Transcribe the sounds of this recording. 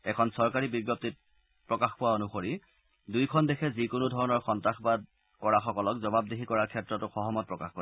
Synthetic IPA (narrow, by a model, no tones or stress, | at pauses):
ɛkʰɔnsɔɹkaɹibiɡjɔp̚tit̚ | pɹɔkaxpʊwaonuxoɹi | dujkʰɔndɛkʰɛzikʊnʊdʱɔɹɔnɔɹxɔntɹaxbad | kɔɹaxɔkɔlɔkzɔbabdeɦikɔɹaɹkʰɛtɹɔtʊxɔɦɔmɔt̚pɹɔka̰xkɔɹa